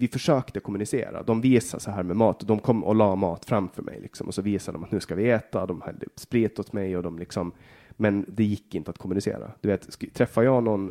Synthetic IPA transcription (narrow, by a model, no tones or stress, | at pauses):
vɪfœʂøːkt̪əkʰʊmɵnɪsḛːɾa̰d̪ɔmviːsasɔɦæːɾmɛmɑːt̪ɔd̪ɔmkʰɔmːʔɔ̰lɑːmɑːt̪fɾamfœɾmɛ̰jlɪ̰ksɔmʔɔsɔviːsad̪d̪ɔmat̪nʉ̟ːskavɪɛːt̪ad̪ɔmhɛ̰ld̪ə̰spɾiːt̪ːɔt̪mɛjɔd̪ɔmlɪksɔm | mɛnd̪ɛjɪkːɪnt̪əat̪̚kʰʊmːɵnɪsḛːɾa̰d̪̥ɵveːt̪st̪ʰːɾɛfːajɑːnɔn